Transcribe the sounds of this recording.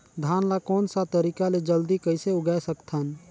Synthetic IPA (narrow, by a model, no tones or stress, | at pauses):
d̪ʱaːnlakɔːnsat̪əɾikaled͡ʒəld̪ikəɪseʊɡasəkt̪ʰən